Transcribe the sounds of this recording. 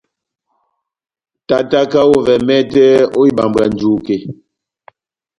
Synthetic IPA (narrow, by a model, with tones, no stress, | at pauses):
ta˦ta˦ka˦wo˦vɛ˨mɛ˦tɛ˦o˦i˦ba˨mbɾa˨n˨d͡ʒu˦ke˨